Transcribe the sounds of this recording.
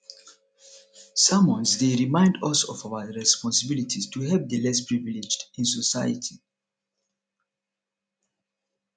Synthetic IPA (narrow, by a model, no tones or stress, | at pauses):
sãmwɔ̃nzdeɹimãɪ̃ndʌsɔvawəɹɛspɔ̃nsəbilitʰistʰuɦɛv̚dəlɛs̬pɹivilid͡ʒdĩnsɔsaɪjə̰tʰi